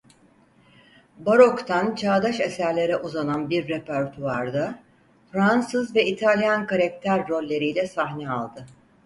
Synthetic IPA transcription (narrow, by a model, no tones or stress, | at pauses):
baɾo̞kt̪ʰant͡ʃʰaːd̪aʃesæɾlʲe̞ɾɛʔuzananbiɾːepʰæɾt̪ʰuaɾd̪a | fɾansɯzvɛit̪ʰalʲjankaɾak̚t̪ʰæɾːo̞lʲːe̞ɾijlʲɛsaɦnɛalˠd̪ɯ